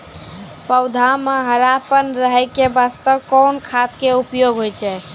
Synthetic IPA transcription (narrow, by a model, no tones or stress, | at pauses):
pəwd̪ʱameɦəɾapʰənɾəɦəkebast̪əwkɔnkʰat̪keupjoɡɦojt͡ʃʰɛ